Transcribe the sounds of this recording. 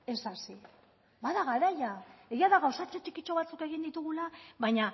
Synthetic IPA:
e̞sasi | baðaɣaɾajae̞ɣiaðaɣawsat͡ʃet͡ʃikit͡ʃo̞βat͡suke̞ɣ̞ind̪it̪uɣulaβajɲa

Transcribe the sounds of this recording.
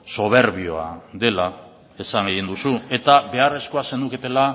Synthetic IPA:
so̞β̞e̞ɾβio̞̰a̰ðe̞la | e̞saŋɡeɣind̪usue̞t̪abe̞are̞skoase̞nd̪uket̪e̞la

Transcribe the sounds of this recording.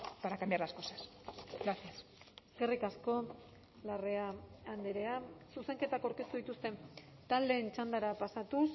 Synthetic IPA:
paɾakambjaɾlasko̞sḁsɡɾasiaseske̞rikasko̞ | lare̞aːnd̪eɾe̞asuse̞ŋke̞t̪akowɾke̞st̪uðit̪ust̪e̞n | t̪ald̪e̞ːnt͡ʃand̪aɾapasat̪us

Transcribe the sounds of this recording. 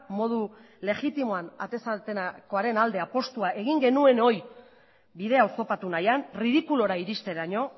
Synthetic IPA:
mo̞ðu | le̞ɣit̪imo̞ana̰t̪e̞sat̪eko̞aɾe̞nald̪e̞apo̞st̪uaʔe̞ɣiŋɡe̞nue̞no̞j | biðe̞aoso̞pat̪unajanriðikulo̞ɾaiɾist̪e̞ɾaɲo̞

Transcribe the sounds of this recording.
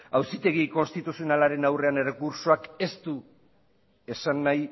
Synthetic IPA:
awsit̪e̞ɣ̞iko̞nst̪it̪usionalaɾe̞nawre̞ane̞rekuɾt͡ʃo̞ake̞st̪u | e̞sanːaj

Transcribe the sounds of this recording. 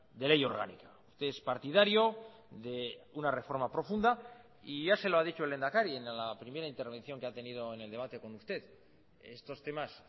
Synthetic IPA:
d̪e̞lejo̞ɾɣa̰nikaust̪e̞espaɾt̪ið̞aɾjo̞ | ðe̞unare̞fo̞ɾmapɾo̞fund̪a | iʝase̞lo̞aðit͡ʃoele̞nd̪akaɾienlapɾime̞ɾaint̪e̞ɾβe̞nθjo̞ŋkeat̪e̞nið̞o̞ene̞ld̪e̞β̞at̪e̞ko̞nust̪e̞ð | e̞st̪o̞st̪e̞mas

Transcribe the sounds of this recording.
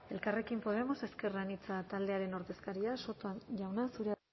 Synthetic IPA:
e̞lkare̞kimpo̞ð̞e̞mo̞se̞ske̞ranit͡sat̪ald̪e̞aɾe̞no̞ɾðe̞skaɾiaso̞t̪oanʝawnasuɾe

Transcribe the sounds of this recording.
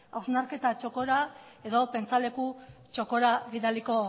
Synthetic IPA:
awznaɾke̞t̪at͡ʃo̞ko̞ɾa | e̞ðo̞pe̞nt͡sale̞kut͡ʃo̞ko̞ɾaɣiðaliko̞

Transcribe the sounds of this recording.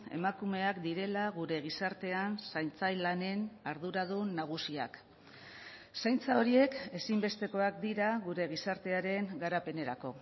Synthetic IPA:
e̞̰makume̞akd̪iɾe̞laɣuɾe̞ɣ̞isaɾt̪e̞ansajnt͡sajlane̞naɾðuɾaðunaɣ̞usia̰k | sajnt͡sao̞ɾie̞ke̞simbe̞st̪e̞ko̞ak̚d̪iɾaɣuɾe̞ɣ̞isaɾt̪e̞aɾe̞ŋɡaɾape̞ne̞ɾako̞

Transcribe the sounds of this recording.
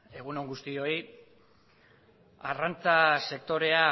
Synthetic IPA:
e̞ɣ̞uno̞ŋɡust̪io̞i | arant͡sase̞kt̪o̞ɾe̞a

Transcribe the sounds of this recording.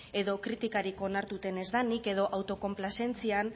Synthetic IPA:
e̞ðo̞kɾit̪ikaɾiko̞naɾt̪ut̪e̞ne̞zðanike̞ð̞o̞ʔawt̪o̞ko̞mplase̞nt͡sian

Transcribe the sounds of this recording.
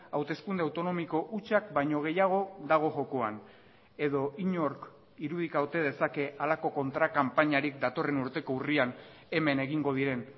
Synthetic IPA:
awt̪e̞skund̪e̞awt̪o̞no̞miko̞ʔut͡ʃak̚bajɲo̞ɣ̞e̞jaɣ̞o̞ðaɣ̞o̞ʝo̞koan | e̞ðo̞iɲo̞ɾk | iɾuð̞ikawt̪e̞ð̞e̞sake̞ʔalako̞ko̞nt̪ɾakampaɲaɾik̚d̪at̪o̞re̞nuɾt̪e̞ko̞urian | e̞me̞ne̞ɣ̞iŋɡo̞ð̞iɾe̞n

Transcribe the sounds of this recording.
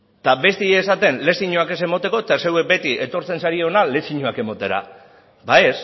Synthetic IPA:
t̪abe̞st̪ieːsat̪e̞nle̞siɲoake̞se̞mot̪e̞ko̞t̪asewek̚be̞t̪iʔe̞t̪o̞ɾt͡se̞nsaɾieonale̞siɲoake̞mot̪e̞ɾa̰ | baes

